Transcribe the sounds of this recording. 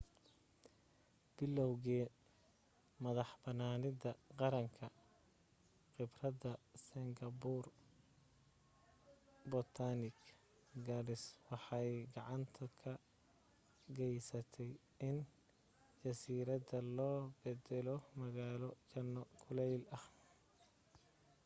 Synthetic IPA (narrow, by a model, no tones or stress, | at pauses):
b̥ɪlːɔwɣɛː | mɐðɑħbɐnaːnɪðɐqɑɾɐŋkʰɐ | qɪbrɐðɐsɪŋɡɐbur | bɔt̪ʰanɪk | ɡɐlɪswɑħɑjɡɑʕɑnt̪ʰɐkʰɐ | ɡɛjsɐt̪ʰɛj | ɪn | d͡ʒɐsiːɾɐdɐlɔːbɛd̪ɛlɔmɐɣaːlɔt͡ʃɐnːɔkʰʊlɛjlɐh